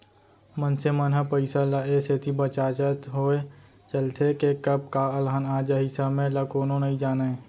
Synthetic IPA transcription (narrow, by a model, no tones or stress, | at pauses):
mənsemənɦapəɪsalaeset̪ʰibət͡ʃaːt͡ʃət̪ɦoːe | t͡ʃəlt̪ʰekekəb̚kaːəlɦənaːd͡ʒəɦisəmẽləkoːnõnəɦĩd͡ʒaːnae